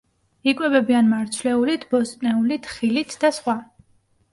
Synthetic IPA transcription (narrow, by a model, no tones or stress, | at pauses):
ikʼwɛbɛbianmaɾt̪sʰlɛulit̪ʰbɔst̪ʼnɛulit̪ʰχilit̪ʰd̪asχwa